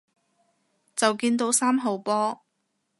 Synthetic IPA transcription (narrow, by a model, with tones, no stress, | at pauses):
t͡sɐ˨wkiː˧nt̪o˨˧˥wsaː˥mɦo˨wpɔː˥